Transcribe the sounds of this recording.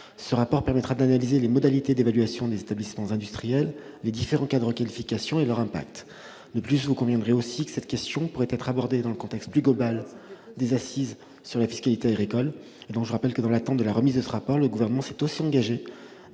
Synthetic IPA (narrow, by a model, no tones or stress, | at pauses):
səʁapɔʁpɛʁmɛt̪χad̪analizelemɔd̪alit̪ed̪evalɥasjɔ̃d̪ezet̪ablismɑ̃zɛ̃d̪yst̪χijɛlː | ed̪ifeʁɑ̃kad̪əʁəkalifikʲasjɔ̃elœʁɛ̃pa̰k̚t̪ | d̪əplysvukɔ̃vjɛ̃d̪ʁjeosikə̥sɛt̪kʲɛst̪jɔ̃puʁɛt̪ɛt̪χabɔʁd̪ed̪ɑ̃ləkɔ̃t̪ɛkst̪plyɡlɔbald̪ezasiz | syʁlafi̥skalit̪eaɡʁikɔl | ed̪ɔ̃kʒəʁapɛlkəd̪ɑ̃lat̪ɑ̃t̪̚d̪əlaʁəmizd̪əsəʁapɔʁləɡuvɛʁnəmɑ̃sɛ̥t̪osiɑ̃ɡaʒe